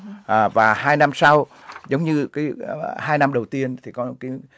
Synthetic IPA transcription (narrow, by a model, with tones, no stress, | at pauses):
ʔːvaː˨˩haː˧jna˧msa˧w | zə˨˦wŋ͡mɲɨ˧kaː˨˦haː˧jna˧mɗə˨˩wt̪i˧ənt̪ʰi˨˩kɔ˨˦ka˨˦